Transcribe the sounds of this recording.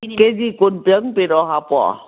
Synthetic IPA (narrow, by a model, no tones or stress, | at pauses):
ked͡ʒikonpjəŋpeɾɔɦapɔ̰